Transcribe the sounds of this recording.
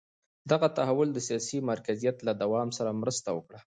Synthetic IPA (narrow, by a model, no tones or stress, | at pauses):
d̪aɣat̪aɦawʊld̪əsijɑsimaɾkazijat̪lad̪awɑmsaɾamɾəst̪awəkɽa